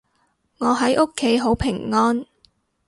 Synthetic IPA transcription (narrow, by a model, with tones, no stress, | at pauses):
ŋɔː˨˧ɦɐ˨˥jʔʊ˥kʰːe˨˥jɦo˨˥wpʰɪ˨˩ŋːɔː˥n